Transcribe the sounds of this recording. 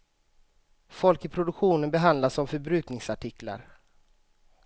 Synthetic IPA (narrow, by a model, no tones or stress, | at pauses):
fɔlkəpʰɾʊd̪ɵkɧuːnənbɛɦand̪lasɔmfœɾbɾʉ̟ːk̪nɪŋsaʈɪkla̰ɾ